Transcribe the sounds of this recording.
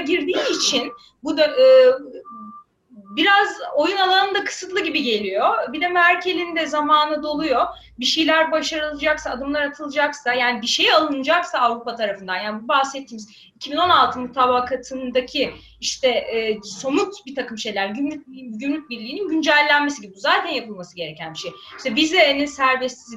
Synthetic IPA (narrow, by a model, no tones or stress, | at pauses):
ɟiɾd̪iːt͡ʃʰin | bud̪øɯː | biɾazo̞junalˠanɯnd̪akʰɯ̥sɯt̪lˠɯɟibiɟe̞lʲijo̞bid̪ɛmæɾcʰe̞lʲind̪ɛzamaːnɯd̪o̞lˠujo̞ | biʃejlʲæɾbaʃaɾɯlˠɯd͡ʒaksaːd̪ɯmlˠaɾat̪ʰɯlˠɯd͡ʒaksajaːnibiʃe̞jalˠɯnɯd͡ʒaksaːvɾupat̪ʰaɾafɯnd̪anjaːnibubahsɛt̪ʰːiːmiz | icʰibino̞nalˠt̪ʰɯmut̪ʰaːbaːkʰat̪ʰɯnd̪acʰi | iʃt̪ʰɛːso̞nut̪bit̪ʰakɯmʃe̞jlʲæɾɟymʲyɟymlʲyc̚ʲbiɾlʲiːninɟynd͡ʒælʲːænme̞siɟibibuzaːt̪ʰænjapɯlˠmasɯɟe̞ɾecʰænbiʃej | i̥ʃt̪ɛbizɛninsæɾbɛst̪iz